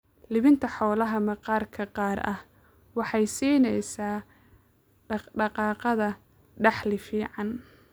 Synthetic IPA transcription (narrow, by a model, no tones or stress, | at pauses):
lɪβɪnt̪ʰɐħɔːlɐɦɐmɐqɑːrkʰɐqɑːrɐ̰h | wɑħɑjsiːnɛjsaː | ɖɑqɑːqɑðɐ | ɖɑħlɪfiːʕɑn